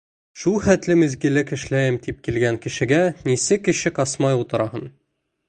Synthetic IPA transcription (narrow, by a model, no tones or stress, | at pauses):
ʃulˠχæt̪lɘmɘ̆zɡɘ̆lɘkɘ̆ʃlæjɘmt̪ip̚kilɡæŋkɘ̆ʃɘ̆ɡænisɘkɘ̆ɕɘkɑsmɑjulˠt̪ɤ̆ɾɑhɤn